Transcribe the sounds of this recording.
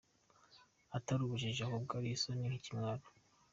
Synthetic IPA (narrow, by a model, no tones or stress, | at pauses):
ataɾuβuʒiʒakubɡaɾisonihicimŋaɾo̥